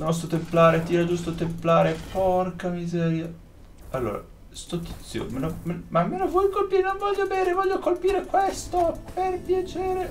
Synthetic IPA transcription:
nɔst̪ɾot̪emplaːɾet̪iːɾad͡ʒust̪ot̪emplaːɾepɔrkamizɛːɾja | alːo̰ːɾa̰ | st̪ɔt̪ːi̥t̪sːjo̰menomemamːenovwɔjkolpiɾenonvɔʎːobeːɾevɔʎːokolpiːɾekwest̪operpjat͡ʃeːɾe

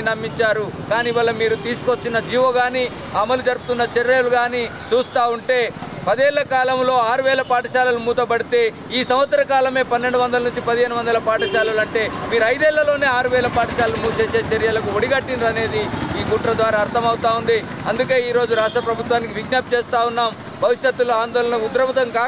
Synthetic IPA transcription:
nɐmːiɲt͡ʃaːɾukaːniʋɐlːɐmiːɾut̪iːsu̥kot͡ʃːinɐd͡ʒiːʋoːɡaːniː | ɐmɐlud͡ʒɐɾupu̥t̪unːɐt͡ʃeɾɐːluɡaːnit͡ʃuːst̪aːuɳʈe̞ːpɐd̪ɛːɭːɐkaːlɐmlo̞ːaːɾuʋɛːlɐpaːʈɐʃaːlɐlumuːt̪ɐbɐɽit̪e̞ː | iːsɐmʋɐt̪sɐɾɐkaːlɐme̞ːpɐnːe̞ɳɖuʋɐnd̪ɐlɐnuɲt͡ʃipɐd̪iɦeːnuʋɐnd̪ɐlɐpaːʈɐʃaːlɐlɐɳʈe̞ːmiːɾuɐjd̪ɛːɭːɐlo̞ːne̞ːaːɾuʋɛːlɐpaːʈɐʃaːlɐlumuːʃe̞ːse̞ːt͡ʃɐɾijɐlɐkuoɽiɡɐʈːinɾɐne̞ːd̪iiːkuʈɾɐd̪ʋaːɾaːɾt̪ʰɐmɐwut̪aːund̪i | ɐnd̪uk̬e̞ːiːɾo̞ːd͡ʒuɾaːʂʈɾɐpɾɐbʱut̪ʋaːnikiʋiɡnaːp̚t͡ʃɛːst̪aːwunːaːm | bʱɐʋiʂjɐt̪ːuloaːnd̪ɔːlɐnɐud̪ɾɐpɐt̪ɐŋkaː

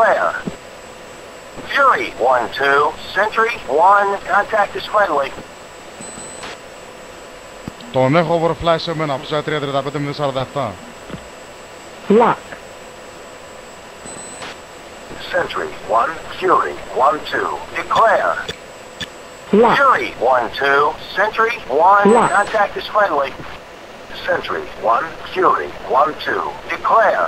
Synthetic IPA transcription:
ɛɹ | fjʊɹiwʌ̃ntʰʉsɛ̃nt͡ʃɹiwʌ̃nkʰə̃ntʰæk̚tɨsfɹɛ̃ndˡli | t̪ɔnɛχɔvəɾəflajsəmənapəsat̪ɾiəd̪ɾəd̪apət̪əmənəsaɾðɛft̪a | lak | sɛ̃nt͡ʃəɹḭwʌ̃nkʰj̥ʊɹḭwʌ̃ntʰʉ̰d̥ɨkʰl̥ɛɹ | laʊɹiwʌ̃ntʰʉsɛ̃nt͡ʃəɹiwʌ̃nlakə̃ntʰæk̚t̚ɨz̥fɹɛ̃ndˡli | sɛ̃nt͡ʃəɹḭwʌ̃nkʰj̥ʊɹḭwʌ̃ntʰʉ̰d̥ɨkʰl̥ɛɹ

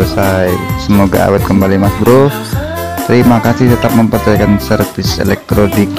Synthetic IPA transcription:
əsajsəmoɡa̰a̰wɛt̪̚kəmbalimasbɾo | t̪əɾimakasɪht̪ət̪ap̚məmpərd͡ʒaikansərfɪsḛlɛk̚t̪ɾodik

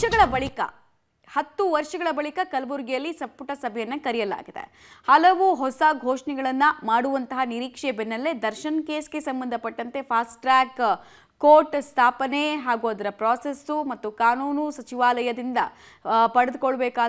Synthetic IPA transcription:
ɐɡɐɭɐbɐɭikɐ̰ | hɐt̪ːuʋɐɾʂɐɡɐɭɐbɐɭikɐkɐlbuɾɡijɐlːisɐpːuʈɐsɐbʱɛjɐnːɐkɐɾijɐla̰ːɡid̪ḛ | hɐlɐʋuɦɔsɐɡʱoːʂnɛɡɐɭɐnːɐmaːɽuʋɐnt̪ɐɦɐniɾiːkʂebɛnːɐlːe̞d̪ɐɾʃɐnkeːsɡe̞sɐmbɐnd̪ʱɐpɐʈːɐnt̪e̞pʰaːsʈɾaːk | kːoːʈst̪ʰaːpɐneɦaːɡuad̪ɐɾɐpɾaːsesumɐt̪ːukaːnuːnusɐt͡ʃiʋaːlɐjɐd̪ind̪ɐ̰ | pɐɽed̪ukɔɭːɐbɛːkaː

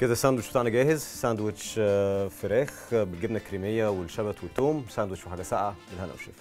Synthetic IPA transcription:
ked̪æsænd̪wet͡ʃbet̪aʕʔnæɡæːhezsænd̪wet͡ʃfeɾæːxbelɡebnækːɾiːmejːæwelʃæbæt̪wet̪ːoːmsæːnd̪wet͡ʃʃfħaːɡæsa̰ʕawelænʔæ̰wʃḛːf

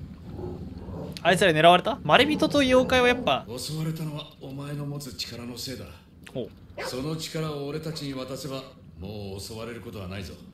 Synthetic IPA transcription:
ait͡sɨɾaineɾaβaɾe̞t̪amaɾebʲit̪o̞t̪o̞ijoːkaeβajapːaoso̞βaɾe̞t̪ano̞βaomae̞no̞mo̞t͡sɨt͡ɕi̥kaɾano̞se̞ːd̪a̰ | hoː | so̞no̞t͡ɕi̥kaɾaoːɾe̞t̪at͡ɕiɲ̟iβat̪ase̞ba | moːso̞βaɾe̞ɾɯ̟ko̞t̪o̞βa̰naizo̰

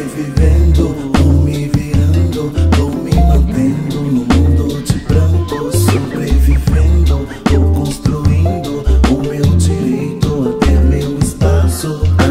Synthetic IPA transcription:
vivẽnd̪ʊ | omɪviɾɐ̃nd̪ʊd̪õminub̪ẽnd̪ʊnʊmũnd̪ʊd͡ʒɪpɾɐ̃k̪osobɾevivẽnd̪ʊ | okõst̪ɾuiĩnd̪ʊʊmewd͡ʒiɾejt̪ʊat̪ɛmewɪspasʊ

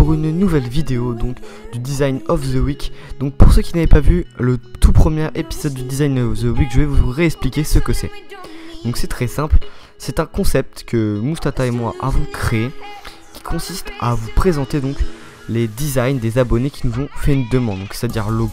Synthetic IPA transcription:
puʁynnuvɛlvid̪eod̪ɔ̃kd̪yd̪izajnɔfzəwikd̪ɔ̃k̚puʁsøkʲinavɛpavylət̪ʰupχəmjeʁepizɔd̪̚ːyd̪izajnɔfzəwikʒəvɛvuʁeɛksplikʲesəkəsɛ̰d̪̥ɔ̃ksɛt̪χɛsɛ̃pl | sɛt̪ɛ̃kɔ̃sɛp̚t̪kʰəmust̪at̪aemwaʔavɔ̃kχee | kʲi̥kʰɔ̃sist̪avupχezɑ̃t̪ed̪ɔ̃k | led̪izajnd̪ezabɔnekʲinuzɔ̃fɛynd̪əmɑ̃d̪dɔ̃ksɛ̥t̪ad̪iʁloɡ

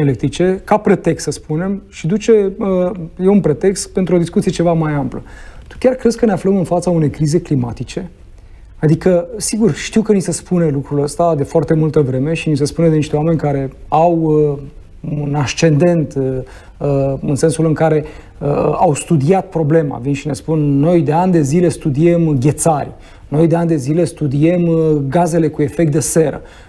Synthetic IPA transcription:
elek̚t̪ɾit͡ʃe̞kapɾe̞t̪e̞kst̪səspune̞mʃid̪ut͡ʃe̞əjeunpɾe̞t̪e̞kst̪pe̞nt̪ɾuo̞d̪iskut̪sie̞t͡ʃe̞vamajamplət̪u̥kʲarkɾe̞zkəneafləmɨnfat̪saune̞jkɾize̞klimat̪it͡ʃe̞ | ad̪ikəsiɡurʃt̪iwkənise̞spunelukɾuləst̪ad̪e̞foart̪e̞mult̪əvɾe̞me̞ʃinisespuned̪eniʃt̪eoame̞nʲkaɾe̞aw | unaʃt͡ʃe̞nd̪e̞nt̪ | əɨnse̞nsulɨŋkaɾe̞ | əawst̪ud̪iat̪̚pɾo̞ble̞ma̰vinʃine̞spunːo̞jd̪e̞anʲd̪e̞zile̞st̪ud̪ie̞mɡʲe̞t̪sarʲ | no̞jd̪eanʲd̪e̞zile̞st̪ud̪iemɡaze̞le̞kue̞fek̚t̪̚d̪e̞se̞ɾə̰

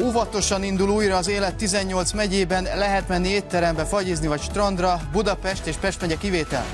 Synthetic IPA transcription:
uvɒt̪o̞ʃɒnind̪uluːjɾɒːzeːlɛt̪ːizɛɲːo̞lt̪smɛɟeːbɛnlɛɦɛt̪mɛnːieːtt̪ːɛɾɛmbɛfɒɟiːznivɒcʃt̪rɒnd̪rɒbud̪ɒpɛʃt̪eːʃpɛʃt̪mɛɟɛkiveːt̪ɛ̰l

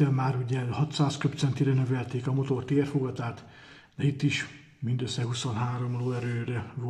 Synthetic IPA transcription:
ɛmaːɾuɟɛhɒt̪saːskøpt̪sɛnt̪iɾɛnøvɛlt̪eːkɒmo̞t̪o̞rt̪eːrfoɡɒt̪aːt̪ | d̪ɛit̪ːiʃ | mind̪øsːɛhusonɦaːɾo̞mloːɛɾøːɾɛvo

